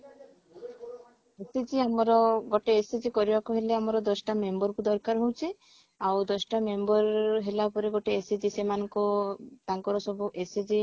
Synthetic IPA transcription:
esed͡ʒiamɔɾɔɡɔʈeːsed͡ʒikɔɾibakuɦeleamɔɾɔd̪ɔsʈamembɔɾkud̪ɔɾkaɾɦowt͡ʃʰe | awd̪ɔsʈamembɔɾɦelapɔɾeɡɔʈeːsed͡ʒisemanɔŋkɔt̪aŋkɔɾɔsɔbuʔesed͡ʒi

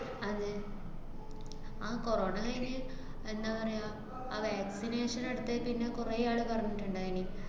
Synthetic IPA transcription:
ɐðɨ | aːko̞ro̞ːɳɐkɐjnɐ | e̞nd̪aːpɐrɐja | aːʋaːksineːʂɐneɽut̪ːepinːekureaːɭɨpɐrɐɲːiʈːuɳɖaːini

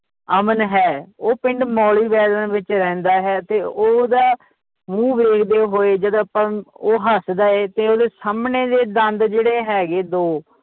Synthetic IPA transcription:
əmənɦɛːoːpɪɳɖmɔːliːbɛːd̪ənʋɪt͡ʃɾɛ̃ːnd̪aːɦɛːt̪eːoːd̪aː | mũːbɾeːkʰd̪eːɦoːeːd͡ʒəd̪aːpə̃oːɦəsd̪aːeːt̪eːoːd̪eːsaːmneːd̪eːd̪ənd̪d͡ʒeːɽeːɦɛːɡeːd̪oː

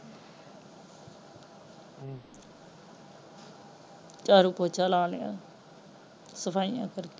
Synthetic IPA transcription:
t͡ʃaːɾupoːt͡ʃalãːljã̰ː | səpʰaːijã̰ːkəɾke

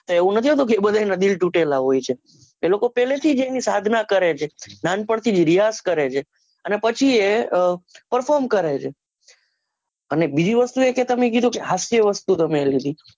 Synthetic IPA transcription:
t̪oeʋũnət̪ʰiɦot̪ũkeebəd̪ʱajnad̪ilʈũʈelaɦojt͡ʃʰe | elokopɛlet̪ʰid͡ʒeenisad̪ʱnakəɾet͡ʃʰenanpəɳt̪ʰid͡ʒɾijaskəɾet͡ʃʰe | ənepət͡ʃʰie | pəɾfɔɾmkəɾet͡ʃʰe | ənebid͡ʒiʋəst̪ueket̪əmek̬id̪ʱũkeɦasjəʋəst̪ut̪əmelid̪i

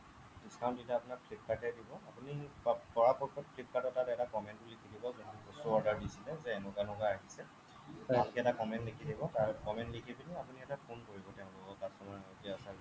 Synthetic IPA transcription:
istʰaʊ̃nditaːpʊnakpʰlip̚tʰakɛdibɔapunipɔɹapɔɹkʰɔt̚pʰlip̚katɔtatɛtakɔmɛnt̚bulikʰidibɔzɔntubɔstuɔɹdaɹdisilɛzɛːnukanɔkaaɦisɛ | tɛ̃tikɛɛtakɔmɛntekʰidibɔtaɹkɔmɛntlikʰipiniapuniɛtapʰonkoɹibɔtɛʊ̃lɔkɔkasɔmaetiasa

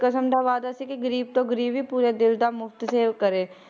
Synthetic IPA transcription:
kəsəmʈ̪aʋaːd̪asekiɡəɾiːb̚t̪oɡəɾiːbipuːɾed̪ɪld̪amʊft̪seːkəɾẽː

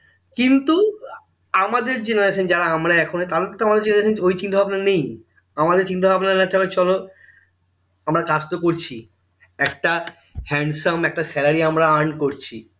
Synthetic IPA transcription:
kint̪u | amad̪eɾd͡ʑenaɾeʃond͡ʑaɾaamɾaɛkʰonet̪alekint̪uamad̪eɾd͡ʑenaɾeʃonojt͡ɕind̪ʰobʱabnanej | amad̪eɾt͡ɕind̪ʰobʱabnanaʈʰaket͡ɕɔlo | amɾakast̪okoɾt͡ɕʰi | ɛkʈa | hɛɳɖsamɛk̚ʈasɛlaɾiamɾaaɳkoɾt͡ɕʰi

